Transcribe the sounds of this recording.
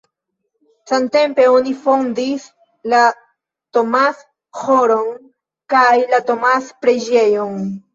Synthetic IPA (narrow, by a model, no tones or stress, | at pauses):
sante̞mpe̞o̞nifo̞ndis | la | to̞mas | ho̞ɾo̞n | kajlato̞maspɾe̞d͡ʒe̞jon